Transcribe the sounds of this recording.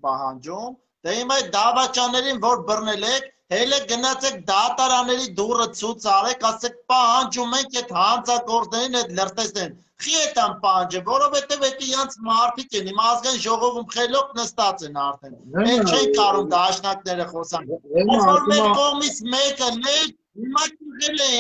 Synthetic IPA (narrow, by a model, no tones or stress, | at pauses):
pɑɦɑnd͡ʒum | d̪̥ɛimɑjt̪̚d̪ɑvɑt͡ʃɑnːɛɾinvɔɾbərnɛlɛkʰ | hɛlɛk̚ɡənɑt͡sʰɛk̚d̪ɑt̪ɑɾɑnːɛɾid̪urət͡sʰut͡sʰɑʁɛkʰɑsɛk̚pɑɦɑnd͡ʒumɛŋkʰɛt̪ʰɦɑnd͡zɑkɔɾt͡snɛɾinɛt̪lərt̪ɛsnɛin | χiɛt̪ʰɑnpɑɦɑnd͡ʒɛvɔɾɔvhɛt̪ɛvɛt̪uiɾɑnt͡sʰmɑɾt̪ʰikɛnimɑzɡɑjinʒɔʁɔvumχɛlɔp̚nəst̪ɑt͡sɛnɑɾt̪ʰɛnɛkt͡ʃʰɛikɑɾumd̪ɑʃnɑk̚nɛɾəχɔsɑnisfɔɾmɛɾkɔʁmit͡sʰmɛkənɛ | ɦimɑkuʁɛlɛi